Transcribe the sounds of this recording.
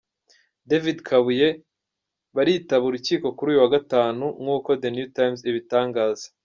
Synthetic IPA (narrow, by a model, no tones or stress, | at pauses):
devidkʰaβuje̞ | βaɾitaβuɾuciːko̞kuɾuːjuwaɡataːnuŋhuːko̞d̪enjutajmziβitaːŋɡaːzḁ